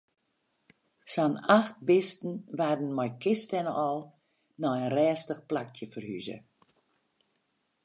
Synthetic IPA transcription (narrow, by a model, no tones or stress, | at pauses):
sanaxt̚bɪstn̩ʋadn̩mɔjkɪstɛnəʔɔlˠ | nɔənrɛːstəxplak̚tjəfərhy̰zə̰